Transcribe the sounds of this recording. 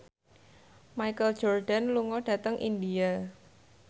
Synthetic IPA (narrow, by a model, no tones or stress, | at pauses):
majkəl̥d͡ʒ̥ɔrɖ̥a̤nluŋɔɖ̥ä̤t̪əŋʔḭndia